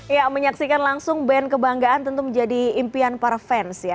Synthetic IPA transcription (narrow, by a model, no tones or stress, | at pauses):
jaməɲaksikanlaŋsʊŋbɛnkəbaŋɡaant̪ənt̪uməɲd͡ʒadiːmpianpaɾafɛnsja